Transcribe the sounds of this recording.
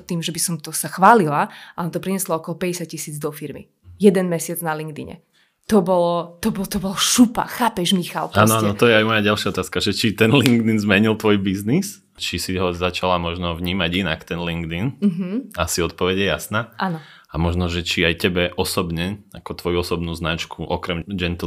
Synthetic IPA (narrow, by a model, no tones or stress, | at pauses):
t̪iːmʒɛbisɔmt̪ɔsaxʋaːlilaalɛmt̪ɔpɾiɲɛslɔɔkɔlɔpɛɟɛsac̚cisiːd͡zd̪ɔfiɾmḭ | jɛd̪ɛnmɛsɪad͡znaliŋɡd̪ḭɲɛ̰ | t̪ɔbɔlɔt̪ɔbɔlt̪ɔbɔlɔʃupa̰xaːpɛʒmixa̰lpaːnɔaːnɔt̪ɔjɛajmɔjaɟalʃɪaɔt̪aːskaʒɛt͡ʃit̪ɛnliŋɡd̪inzmɛɲilt̪ʋɔjbiznis | t͡ʃisiɦɔzat͡ʃalamɔʒnɔʋɲiːmaɟinakt̪ɛnliŋɡd̪in̩ɦ̩asiɔt̪̚pɔʋɛɟjɛjasnaːʔannɔ | amɔʒnɔʒɛt͡ʃiajcɛbɛʔɔsɔbɲɛakɔt̪ʋɔjuɔsɔbnuːznat͡ʃkʰuʔɔkɾɛmd͡ʒɛnt̪